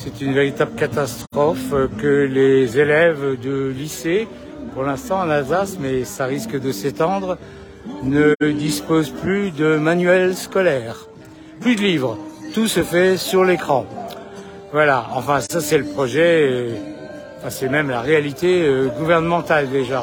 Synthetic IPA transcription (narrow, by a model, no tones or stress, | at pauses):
sɛt̪ynveʁit̪abləkat̪ast̪χɔfkəlezelɛvd̪əlise | puʁlɛ̃st̪ɑ̃ɑ̃nalzasmɛsaʁiskd̪əset̪ɑ̃d̪ʁə | nəd̪ispozplyd̪əmanɥɛlskɔlɛːʁ | plyd̪əlivʁət̪usəfɛsyʁlekχɑ̃ | vwalaɑ̃fɛ̃sasɛləpχɔʒɛø | ɑ̃fɛ̃sɛmɛmlaʁealit̪eøɡuvɛʁnəmɑ̃t̪ald̪eʒa